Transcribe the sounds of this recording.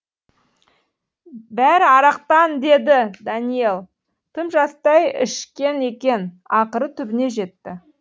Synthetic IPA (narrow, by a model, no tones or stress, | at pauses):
bæɾɑɾɑq̚t̪ɑnd̪e̞d̪ɪd̪ɑnije̞lˠ | t̪ʰəmʒɑst̪ɑjɪ̰ʃkʲe̞ne̞kʲe̞n | ɑqəɾət̪ʰʏbɪne̞ʒe̞t̪ːɪ